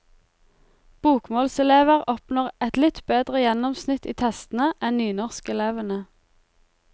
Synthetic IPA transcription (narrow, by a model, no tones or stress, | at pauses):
b̥uːkmoːlsɛleːʋəʁɔpnɔːʁɛt̪lɪt̪beːd̪ʁəjɛnɔmsnɪt̪iːt̪ʰɛst̪n̩əʔɛnnyːnɔʁskɛleːʋənə